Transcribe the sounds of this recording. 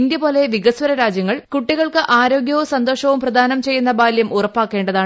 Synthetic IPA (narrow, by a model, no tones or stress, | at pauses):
nd̪jɐpo̞ːle̞ʋiɣɐswɐɾɐɾaːd͡ʑjɐŋːɐɭkuʈːiɣɐɭkɨʔaːɾo̞ːɡjɐʋusɐnd̪o̞ːʂɐʋumprɐd̪ʱaːnɐmt͡ɕe̞jːunːɐbaːljɐmʔurɐpːaːkːe̞ːɳɖɐðaːɳ